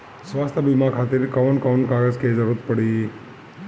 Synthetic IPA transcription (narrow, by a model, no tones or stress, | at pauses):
sʋast̪ʰəbimakʰat̪eɾikəʋənkəʋnkaɡəd͡ʒked͡ʒəɾut̪̚pəɽi